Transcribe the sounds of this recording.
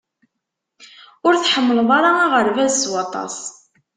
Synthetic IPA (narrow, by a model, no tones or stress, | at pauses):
ʊɾθħəmːəlðˤɑɾɑːʁəɾvæzswɑt̪ˤɑ̰sˤ